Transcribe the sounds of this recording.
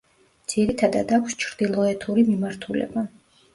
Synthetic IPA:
d̪z̥iɾit̪ʰad̪ad̪akʰst͡ʃʰɾd̪̥ilˠɔɛt̪ʰuɾimimaɾt̪ʰulɛ̰ba

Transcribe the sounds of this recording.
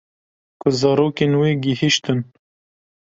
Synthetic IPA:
kʊzɑɾoːkenweɡihiʃt̪ɨn

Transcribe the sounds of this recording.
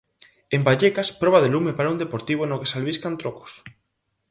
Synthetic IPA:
embaʎekaspɾoβ̞aðelumepaɾaund̪epoɾt̪iβ̞onokesalβiskant̪ɾoko̥s

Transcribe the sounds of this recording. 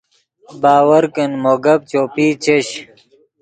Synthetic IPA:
baːwɐɾkənmoːɡɐb̚t͡ɕoːpiːt͡ɕeɕ

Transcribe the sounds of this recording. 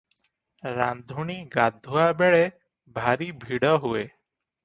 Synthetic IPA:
ɾand̪ʱuɳ̃iɡad̪ʱuabeɭe | bʱaɾibʱiɽɔɦue

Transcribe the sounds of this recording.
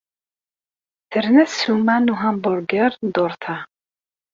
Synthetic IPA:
t̪ʰɨɾnɛsumanuɦambɔɾɡɛɾnd̪ɔɾt̪ʰa

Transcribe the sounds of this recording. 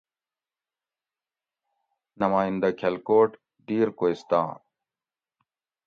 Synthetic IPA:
nɐmaːind̪ɐkʰɐlkoːʈ | d̪iːɾkoːist̪ã̰ː

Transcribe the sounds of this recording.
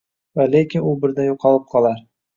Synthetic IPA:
valekʲɪnʊbɪɾd̪ajoqʰɒlˠɪp̚qʰɒlˠaɾ

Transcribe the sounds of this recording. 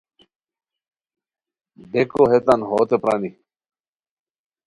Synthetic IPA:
d̪ekoɦet̪anɦoːt̪epɾaːni

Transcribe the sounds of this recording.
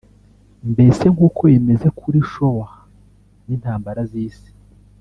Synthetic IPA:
mbe̞se̞ŋɡuːko̞jeme̞ze̞kʰuɾiʃo̞wa | nin̥haːmbaɾaziːsi̥

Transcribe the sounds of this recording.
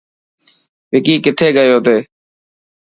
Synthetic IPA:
pɪkiːkɪt̪ʰeːɡəjoːt̪eː

